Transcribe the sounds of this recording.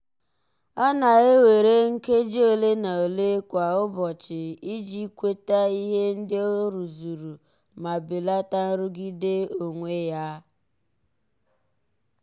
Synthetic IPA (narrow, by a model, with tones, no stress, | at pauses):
a˦na˨ɣe˦we˨ɾe˦ŋ̩˦ke˦d͡ʒo˨le˦na˨o˨le˦kʷa˨ʊ˦bɔ˨t͡ʃɪ˨i˦d͡ʒi˦kʷe˦ta˦i˦ɦe˦n̩˦dɪ˦o˦ɾu˨zu˨ɾu˨ | ma˨bɪ˨la˦ta˦n̩˦ɾʊ˦ɡi˦de˦o˨ŋʷe˦ja˦